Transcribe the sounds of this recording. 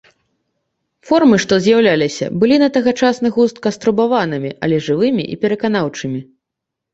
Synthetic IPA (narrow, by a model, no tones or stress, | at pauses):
fɔrmɨʂt̪ɔzʲjawlʲalʲisʲɐ̰bɨlʲinɐt̪ɐɣɐt͡ʂasnɨɣust̪̚kɐst̪ɾubavanɨmʲiʔɐ̰lʲɛʐɨvɨmʲḭʔḭpʲɛɾɐkan̪awt͡ʂɨmʲi